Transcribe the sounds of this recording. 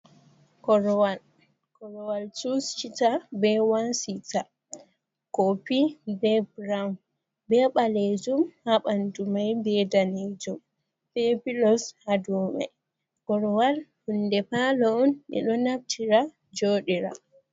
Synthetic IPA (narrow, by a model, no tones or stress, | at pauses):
kɔɾwal | kɔɾɔwaltust͡ʃitabɛwansita | kopibɛbɾam | bɛɓaled͡ʒumhaɓandumajbɛdaned͡ʒum | fepilɔshaduma̰j | kɔɾɔwalhundɛpalɔɔnɛ̰ɗɔnab̚tʰiɾa | d͡ʒoːɗiɾa̰